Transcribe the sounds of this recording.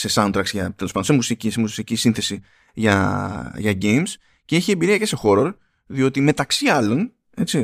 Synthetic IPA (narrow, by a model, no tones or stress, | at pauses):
se̞sɐnt̪ɾɐktsʝɐt̪elospɐnd̪osemusicisemussicisinθe̞si | ʝɐʝɐɟejms | ceeçiembiɾiɐce̞se̞xo̞ɾoɾ | ðio̞t̪ime̞t̪ɐksiɐlo̞n | e̞t͡si